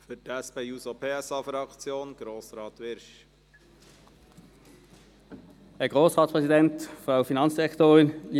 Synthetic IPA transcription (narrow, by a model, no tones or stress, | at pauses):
fytɛspeuːsopʰeːɛsɑːfɾɑkt͡sjoːnɡ̥ɾoːsɾɑːt̪ʋɪɾʃ | ɛɡʁoːsʁɑːtspʁɛsidɛntfʁaʊfinɑnsd̥iʁɛktoːʁɪnli